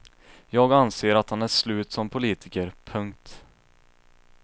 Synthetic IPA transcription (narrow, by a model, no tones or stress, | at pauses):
jɑːɡanseːɾat̪hanæʂlʉ̟ːt̪sɔmpʰʊliːt̪ʰɪkəɾpʰɵŋk̚t̪